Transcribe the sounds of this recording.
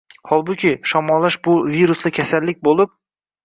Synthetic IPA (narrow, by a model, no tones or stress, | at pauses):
hɒlˠbʊkʲɪʃɒmɒlˠːaʃbʊviɾʊslɪkʲʰasalːɪk̚ʲbolˠɪp̚